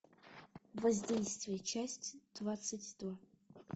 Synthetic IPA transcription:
vɐzʲdʲejst̪vʲɪjət͡ʃʰasʲtʲd̪̥vat̪sɨtʲd̪̥va

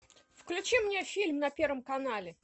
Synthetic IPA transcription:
fklʲʉt͡ɕimnʲefʲilʲmnɐpʲervəmkɐnalʲɪ

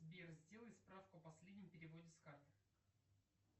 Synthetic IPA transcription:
bʲerzʲdʲe̞lˠəɪt̪spɾafkʊɐpɐsʲlʲedʲnʲɪmpʲɪɾʲɪvo̞dʲɪskat̪ə

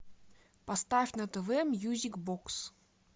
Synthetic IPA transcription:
pɐst̪afʲnɐt̪əvɛmjuzʲikboks

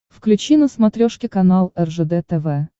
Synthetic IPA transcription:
fklʲʉt͡ɕinəsmɐt̪ɾʲoʂkʲɪkɐnalˠɛrʐɛd̪ɛt̪ɛvɛ

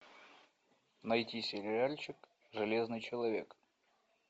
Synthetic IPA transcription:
nɐjtʲisʲɪlʲɪɾʲalʲt͡ɕɪk | ʐɨlʲeznɨjt͡ɕɪlˠɐvʲe̞k

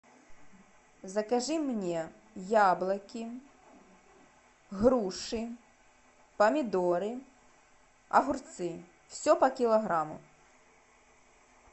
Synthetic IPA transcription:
zɐkaʐɨmnʲɛ | jablˠɐkʲi | ɣɾuʂɨ | pɐmʲid̪ɔɾɨ | ɐ̰ɣurt̪sɨ | wsʲɔpɐkʲilˠɐɣɾamṵ

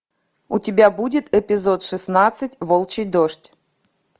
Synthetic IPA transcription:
utʲɪbʲabudʲɪt̪ɛpʲɪzot̪ʂɨsnat̪sɨtʲvolˠt͡ɕɪjd̪oʂtʲ

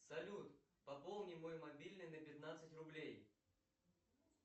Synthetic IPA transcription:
sɐlʲut̪ | pɐpolˠnʲɪmojmɐbʲilʲnɨnəpʲɪt̪nat̪sɨtʲrʊblʲej

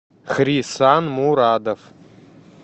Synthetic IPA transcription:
χrisanmuːɾaːdɐf

